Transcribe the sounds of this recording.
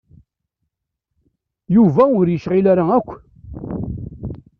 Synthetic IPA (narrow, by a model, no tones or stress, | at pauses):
juvæʊɾjəʃʁɪlaɾaækʷː